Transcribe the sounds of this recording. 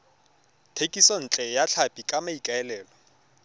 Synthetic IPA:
tʰekʼisɔn̩t͡ɬʼɛjaɬʰapʼikʼamaikʼaɛlɛːlɔ

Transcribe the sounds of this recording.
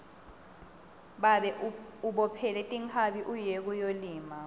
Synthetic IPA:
ɓaɓɛuɓɔpʰɛlɛtʼiŋʰaɓiʔujek̬ujoliːma

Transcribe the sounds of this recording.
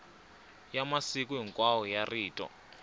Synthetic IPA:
jamasik̬uɦiŋkʼwawɔjariːtʼɔ̰

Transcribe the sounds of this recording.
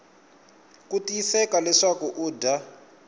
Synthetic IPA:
kutiisɛkalɛʂakuʔuːdʱa

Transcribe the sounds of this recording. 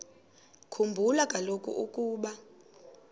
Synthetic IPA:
kʰumbʱulakʼalokʼṵʔukʼuːɓa

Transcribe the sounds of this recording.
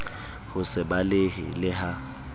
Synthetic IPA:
hʊsɪbalɪɦɪ̰lɪɦa

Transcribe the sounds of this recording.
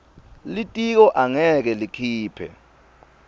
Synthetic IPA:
litʼik̬ɔʔaŋɛk̬ɛlikʰiːpʰɛ̰

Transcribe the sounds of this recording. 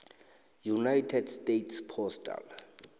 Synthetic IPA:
junajtʰɛdstʼetʰspʰɔsta̰l

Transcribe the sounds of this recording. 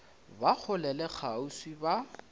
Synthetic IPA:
bak͡xʰʊlɛlɛk͡xʰaʊswiba

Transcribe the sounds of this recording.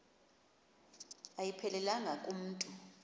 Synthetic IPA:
ajipʰɛlɛlaŋɡʱakʼum̩ːtʼu

